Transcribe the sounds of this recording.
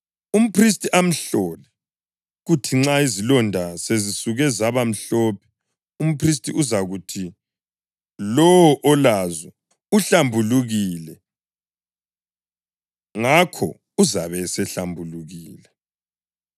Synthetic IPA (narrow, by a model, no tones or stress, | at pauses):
um̩pʰris̬tʼiʔam̩ɬɔlɛ | ɣutʰiŋ͡ǁaizilɔndʱasezisuɣɛzaβam̩ɬɔːp̚ʰɛ̥ | um̩pʰris̬tʼiʔuzaɣutʰi | lɔwɔʔɔlazɛ | uɬambʱuluɣilɛ | ŋakʰɔ̰ | uzaβɛsɛɬambʱuluɣiːlɛ